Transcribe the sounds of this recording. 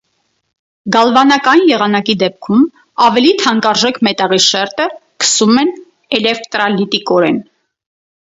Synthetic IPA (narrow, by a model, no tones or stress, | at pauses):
ɡɑlvɑnɑkɑnjɛʁɑnɑkid̪ɛp̚kʰum | ɑvɛlit̪ʰɑŋkɑɾʒɛkmɛt̪ɑʁiʃɛɾt̪əkə̥sumɛn | ɛlɛkt̪ɾɑlit̪ikɔɾɛn